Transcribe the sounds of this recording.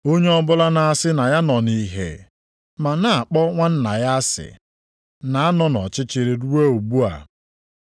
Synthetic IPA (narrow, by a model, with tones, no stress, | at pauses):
o˦ɲe˦ɔ˦bʊ˦la˦na˨a˦sɪ˦na˨ja˦nɔ˨ni˦ɦḛ˨ | ma˨na˨a˨k͡pɔ˦ŋʷa˦n̩˦na˨ja˦sɪ̰˨ | na˨a˦nɔ˦nɔ̰˨t͡ʃɪ˦t͡ʃɪ˨ɾɪ˨ɾu˦e˦o˨bu˦a̰˨